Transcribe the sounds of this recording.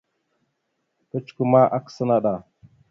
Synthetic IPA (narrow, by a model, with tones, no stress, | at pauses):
kə˦t͡ʃu̥˨ku˨ma˦ʔa˦ksa˦na˦ɗa˨